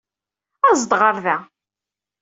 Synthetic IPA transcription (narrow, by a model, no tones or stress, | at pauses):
æzd̪ʁəɾðæ